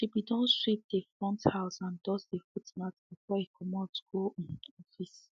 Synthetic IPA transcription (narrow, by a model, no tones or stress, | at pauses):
d̥ebidɔ̃nʃɹip̚defɹɔ̃nthaʊsãndɔsdefutmatb̥ifɔikʰɔmɔtɡ̥õɔfis